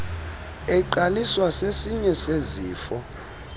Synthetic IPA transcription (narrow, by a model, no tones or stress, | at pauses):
ɛǃaliswasesiɲɛseziːfɔ